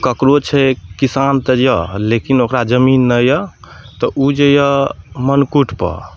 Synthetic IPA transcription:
kəkɾot͡ʃʰɛkisant̪əd͡ʒjəlekinokɾad͡ʒəminːəjə | t̪ɔʔud͡ʒejəmənkuʈʰpə̰

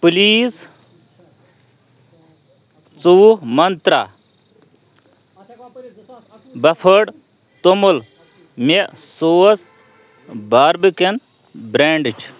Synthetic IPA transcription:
puliːs | t͡suːmɐnt̪ɾa | bɐpʰəɽ | t̪omul | mesoːs | baːɾbiken | bɾeːɳɖt͡ʃʰ

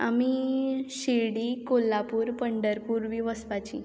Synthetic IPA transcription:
a̰miɕeɽiːkolːapuːɾpəɳɖəɾpuːɾʋiʋəsʋat͡ɕḭ

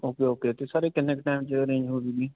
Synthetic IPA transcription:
oːkeɦoːkeːt̪esaːɾeːkɪnekʈaːɪmt͡ʃɾẽːd͡ʒɦoːɾidiː

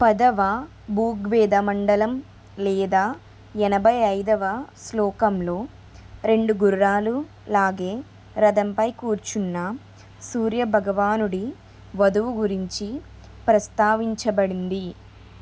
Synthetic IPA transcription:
pɐd̪ɐʋɐ | buːɡʋɛːd̪ɐmɐɳɖɐlɐm | lɛːd̪aː | ɛnɐbʱɐjɐjd̪ɐʋɐslɔːkɐmlo̞ː | ɾe̞ɳɖuɡuɾaːlu | laːɡe̞ː | ɾɐd̪ɐmpɐjkuːɾt͡ʃunːɐ | suːɾjɐbʱɐɡɐʋaːnuɽi | ʋɐd̪ɐʋuɡuɾiɲt͡ʃi | pɾɐst̪aːʋiɲt͡ʃɐbɐɽind̪i

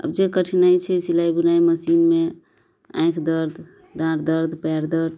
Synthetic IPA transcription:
ə̰bd͡ʒekəʈʰinajt͡ʃʰɛsilajbunajməsinme | ã̰kʰd̪əɾd̪ʱ | dãɾd̪əɾd̪ʱpɛɾd̪əɾd̪

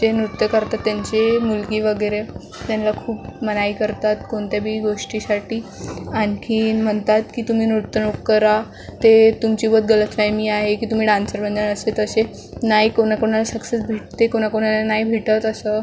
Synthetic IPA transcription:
d͡ʑenɾut̪jəkəɾt̪at̪ːjaɲt͡ɕemulkiːʋəɡəɾe | t̪janlakʰuːpmənaikəɾt̪at̪koɳt̪jabʱiːɡoʂʈisaʈiːankʰiːnm̤əɳt̪at̪kiːt̪um̤iːnɾut̪ːənokkːəɾa | t̪et̪umt͡ɕiːbəd̪̚ɡələt̪ʰʋajmiːaɦekiːt̪um̤iːɖãnsəɾbʱənd̪ənəset̪əse | najkoñakoɳ̃alasəkset͡sbʱeʈ̚t̪ekoñakoɽ̃alanajbʱiʈət̪əsə

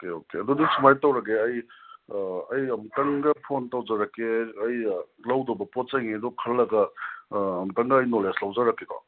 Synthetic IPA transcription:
okeokeɐdudisumajtɐwɾɐɡeɐj | ɐjɐmtɐŋɡɐpʰontɐwd͡ʒɐɾɐkːeɐj | lɐwdobɐpot̚t͡ʃajŋedɔkʰɐlːɐɡɐ | ɐmtɐŋɡɐɐjnoleslɐwzɐɾɐkːekɔ̰

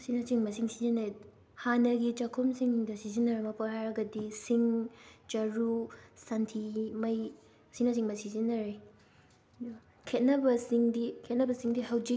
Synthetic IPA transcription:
sinɐt͡ʃiŋmɐsiŋsizinɐ | hanɐɡit͡ʃɐkʰomsiŋiŋdɐsizinːɐɾɐmɐpohajɾɐɡɐdisiŋt͡ʃɐɾusantʰimɐj | sinɐsiŋmɐsizinɐɾe | kʰet̚nɐbɐsiŋdikʰet̚nɐbɐsiŋdihɐwd͡ʒi

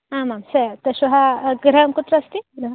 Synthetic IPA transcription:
ãmamsət̪əɕuɦaɡɾəmkut̪ɾːst̪iɡɾə

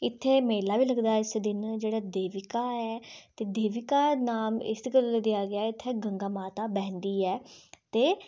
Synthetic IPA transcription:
ɪt̪ʰːeːmeːlaːʋiːləɡd̪aːɪsd̪ɪnd͡ʒeːɽaːd̪eːʋɪkaːɛːt̪eːd̪eːʋɪkaːnaːmɪ̰skəld̪ɪjaːɡɪaːɪt̪ʰːeːɡəŋɡaːmaːt̪aːbɛ̃ːnd̪iːɛːt̪eː

